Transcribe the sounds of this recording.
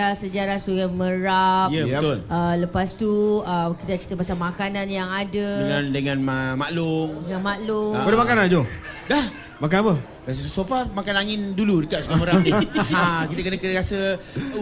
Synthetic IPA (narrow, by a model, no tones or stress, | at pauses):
asəd͡ʒaɾasuɡaməɾapjəəb̪ʊlələpast̪uəkit̪əaʔt͡ʃi̥t̪əpasamakananjaŋadədŋãndəŋãnməmaʔlʊŋdəŋanmaʔlʊŋadəmakanand͡ʒo | dah | mak̬anapə | ɾas̬əsofamakanaŋɪnduludəkaʔsukaməɾap̚niakit̪əkənəkənɾasə